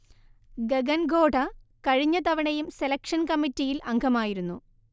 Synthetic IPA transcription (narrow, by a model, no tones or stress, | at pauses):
ɡeɡɐnɡo̞ːɖɐkɐɻiɲːɐt̪ɐʋɐɳɐjumselɐkʂɐnkɐmːitːijilʔɐŋɡʱɐmaːjiɾunːu